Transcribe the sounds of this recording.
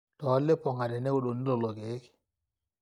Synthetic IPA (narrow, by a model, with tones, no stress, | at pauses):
tɔ˨˦lːe˦pɔ˨ŋa˨dɛ˨nɛ˦o˨ɗo˨ni˦lɔ˨lɔ˨ɡe˨˦k